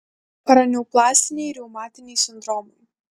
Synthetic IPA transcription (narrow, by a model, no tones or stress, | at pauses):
pɐɾɐnʲuːplˠaːsʲt̪ʲɪnʲɛjɾʲɛwmaːt̪ʲɪnʲɛjsʲɪnd̪ɾɔːmɔj